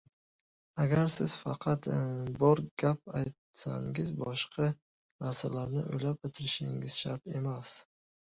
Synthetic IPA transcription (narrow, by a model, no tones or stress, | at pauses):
aɡʲaɾsɪz̥fɑqʰɑt̪bɒɾɡ̥ʲap̚ajt̪̚sa̰ŋɪzbɒʃqɑ | naɾsalaɾnɪʔojlap̚ɵt̪ʰɪɾɪʃɪŋɪz̥ʃa̰ɾt̪e̞mas